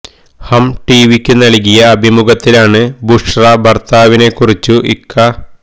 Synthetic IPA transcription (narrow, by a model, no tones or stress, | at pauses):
hɐmʈiːʋikʲːunːɐɭiɣijɐːbʱimuɡɐt̪ːilaːɳɨbuʂrɐbɐrt̪aːʋine̞kːurit͡ɕːuʔḭkːɐ